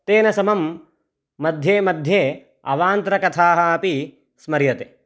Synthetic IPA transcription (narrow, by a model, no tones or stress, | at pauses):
t̪eːnɐsɐmɐmː | ɐd̪ʱjeːmɐd̪ʱjeː | ɐʋaːnt̪ɾɐkɐt̪ʰaːɦɐɐpi | smɐɾjɐt̪eː